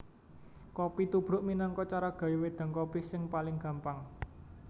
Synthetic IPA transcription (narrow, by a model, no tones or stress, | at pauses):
kɔpit̪ub̥ɾʊ̤ʔminaŋkɔt͡ʃaɾaɡ̥a̤juwed̪̥a̤ŋkɔpisɪŋpalɪŋɡ̥ä̤mpaŋ